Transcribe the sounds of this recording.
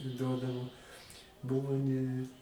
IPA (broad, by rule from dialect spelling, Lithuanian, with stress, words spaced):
ˈduɔdɐʋoː ˈbʊʋoː nʲɛ